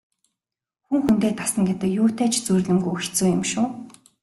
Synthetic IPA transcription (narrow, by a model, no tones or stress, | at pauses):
xuŋxunt̪eːt̪ʰḁsə̆ŋɡet̪ə̆kjuːt̪eːt͡ɕʰt͡surɮɘ̆mɡujɵxt͡sŭːjʊ̆mʃʊː